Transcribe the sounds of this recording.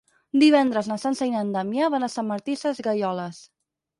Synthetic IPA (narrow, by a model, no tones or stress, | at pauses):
d̪iβ̞ɛnd̪ɾəznəsansəjnand̪amjaβanəsaməɾt̪isəzɣəjɔləs